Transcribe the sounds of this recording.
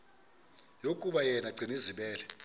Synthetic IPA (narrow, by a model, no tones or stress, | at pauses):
jokʼuɓajɛnaǀʱiniziɓɛːlɛ